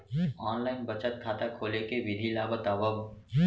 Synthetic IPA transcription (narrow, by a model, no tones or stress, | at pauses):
ɔːnlaɪnbət͡ʃət̪̚kʰaːt̪akʰoːlekeʋɪd̪ʱilaːbət̪aːʋəb